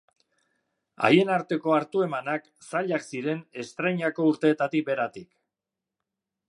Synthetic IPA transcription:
a̰je̞naɾt̪e̞ko̞aɾt̪ue̞manak | saʎaksiɾe̞ne̞st̪ɾejɲako̞uɾt̪e̞ːt̪at̪ik̚be̞ɾat̪ik

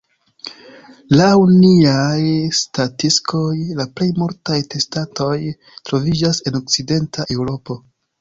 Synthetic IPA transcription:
lawniajstatisko̞jlaple̞jmuɾtajte̞stato̞j | tɾo̞vid͡ʒase̞no̞k̚t͡side̞ntʰaʔe̞wɾo̞po̞

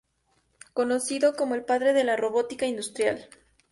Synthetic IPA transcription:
ko̞no̞siðo̞ko̞mo̞elpaðɾe̞ðe̞laro̞βo̞t̪ikaind̪ust̪ɾjal

